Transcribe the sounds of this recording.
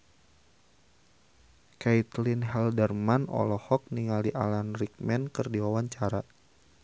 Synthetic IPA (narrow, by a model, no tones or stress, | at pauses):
kait̪linɦɛldɛrmanɔ̰lɔhɔk̚niŋaliʔa̰lanrik̚mɛnkɨrdiwawaɲt͡ʃaɾa